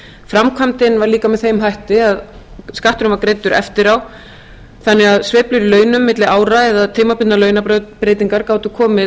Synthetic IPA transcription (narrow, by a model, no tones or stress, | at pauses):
fɾamkʰvamt̪ɪnvaɾliːkamɛðθejmɦajht̪ɪað | skaht̪ʏɾʏmvaɾkɾeːjt̪ʏɾɛ̰ft̪ɪɾaw | θanːɛɣaðsvɪːhplʏɾilœːɥnʏmːɪt̪lɪʔaːwɾaɛðaðt̪ʰeːmapʏnt̪nalœːɥnapɾeːjt̪iŋkaɾkaːwt̪ʏkʰɔːmɪ